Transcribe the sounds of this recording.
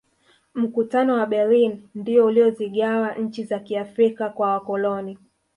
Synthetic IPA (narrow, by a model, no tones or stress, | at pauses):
m̩kutanɔwaɓɛlinndiɔuliɔziɠawaɲ̩t͡ʃizakiafɾikakwawakɔlɔni